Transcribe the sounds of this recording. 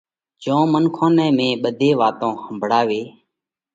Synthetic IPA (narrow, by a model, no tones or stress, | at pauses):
d͡ʒõːmənkʰõːnɛ̃ːmẽːɓəd̪ʱeːʋaːt̪õːhəmbʱɽaːʋeː